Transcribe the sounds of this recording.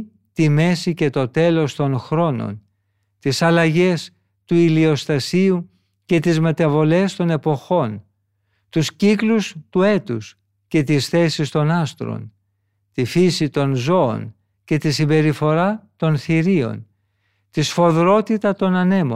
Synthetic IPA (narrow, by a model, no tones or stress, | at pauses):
t̪ime̞sice̞t̪o̞t̪e̞lo̞st̪o̞nxɾo̞no̞̰n | t̪isɐlɐʝe̞s | t̪uilio̞st̪ɐsiu | ce̞t̪izme̞t̪ɐvo̞le̞st̪o̞ne̞po̞xo̞n | t̪usciklust̪ue̞t̪us | ce̞t̪isθe̞sist̪o̞nɐst̪ɾo̰n | t̪ifisit̪o̞nzo̞o̰n | ce̞t̪isimbe̞ɾifo̞ɾɐt̪o̞nθiɾio̞̰n | t̪isfo̞ðɾo̞t̪it̪ɐt̪o̞nɐne̞mo̰